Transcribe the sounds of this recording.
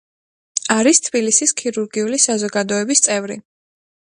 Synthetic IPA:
aɾist̪ʰbilisiskʰiɾuɾɡiulisazɔɡad̪ɔɛbist̪sʼɛvɾḭ

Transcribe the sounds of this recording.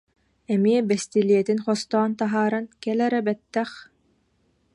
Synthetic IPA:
ɛmiɛbɛst̪iliɛt̪inχɔst̪ɔːnt̪aɦaːɾankɛlɛɾɛbɛt̪ːɛχ

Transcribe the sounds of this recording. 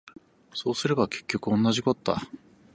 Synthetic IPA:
so̞ːsɨɾe̞bake̞̥kʲːo̞kɯ̟õ̞nːaʑiko̞t̪o̥t̪a̰

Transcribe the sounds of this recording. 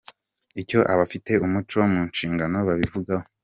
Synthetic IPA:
ico̞ʔaβafite̞umut͡ʃo̞muːnʃiːŋɡano̞βaβivuɡaho

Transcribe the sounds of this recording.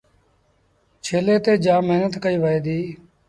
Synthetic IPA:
t͡ʃʰeːleːt̪eːd͡ʒaːməɦnət̪kəiːʋəeːd̪iː

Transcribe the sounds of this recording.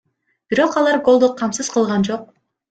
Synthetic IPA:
b̥iɾo̞qɑlˠɑɾɡo̞lˠd̪oqʰːɑmsɯz̥qʰɯlˠʁɑnd͡ʒo̞q̚

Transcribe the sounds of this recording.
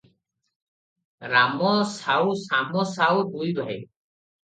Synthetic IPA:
ɾamɔsawsamɔsawbujbʱaj

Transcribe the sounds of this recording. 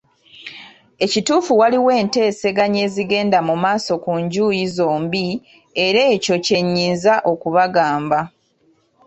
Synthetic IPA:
e̞cituːfuwaliwe̞ːnte̞ːse̞ɡaɲe̞ːziɡe̞ːndamumaːso̞kuɲɟuːjizo̞ːmbi | e̞ɾe̞ːco̞ce̞ɲːiːnzaʔo̞kuβaɡaːmba

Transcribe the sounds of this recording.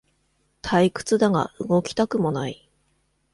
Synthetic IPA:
t̪ʰaikɯ̟̥t͡sɨd̪aɡa̰ɯ̟ɡo̞kʲi̥t̪akɯ̟mo̞nai

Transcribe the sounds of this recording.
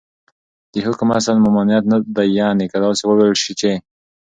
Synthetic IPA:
d̪̥əhʊkmasalmʊmɑnijat̪nad̪ajːanekad̪ɑsewəwelʃit͡ʃe

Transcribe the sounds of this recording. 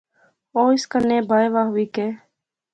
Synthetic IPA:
oːɪskənːẽːbʱaːjʋaːɦʊiːkeː

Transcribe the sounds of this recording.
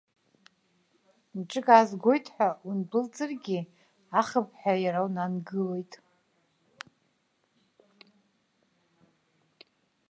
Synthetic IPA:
nʈ͡ʂʼɨkʼazɡʷo̞jtʰʼħʷᶣaunbɨlt͡sʼɨrɡʲi | aχəp̚ʰʼħʷᶣajaɾawnanɡɨlejtʼ

